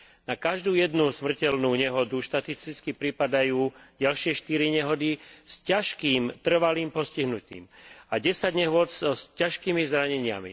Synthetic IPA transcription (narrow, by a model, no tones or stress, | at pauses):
nakaʒd̪uːjɛd̪nusmr̩cɛlnuːɲɛɦɔd̪uʃt̪at̪ist̪it͡skipɾipad̪ajuːɟalʃɪɛʃt̪iɾiɲɛɦɔd̪iscaʃkiːmt̪r̩ʋaliːmpɔsciɦnucḭːmaɟɛsaɟɲɛɦʊɔt͡sɔscaʃkiːmizɾaɲɛɲɪa̰mḭ